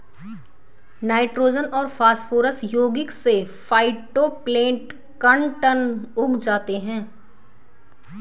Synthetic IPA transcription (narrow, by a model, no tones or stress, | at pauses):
naːɪʈɾoːd͡ʒənɔːɾfaːsfoːɾəsjoːɡɪkse | faːɪʈoplẽːʈ | kɐɳʈənʊɡd͡ʒaːt̪eɦɛ̃ː